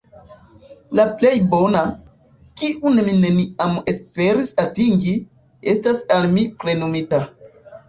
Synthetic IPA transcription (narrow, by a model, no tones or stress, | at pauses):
laple̞jbo̞na | kiʔunemine̞niame̞spe̞ɾisatiŋɡi | e̞stasalmipɾe̞nomita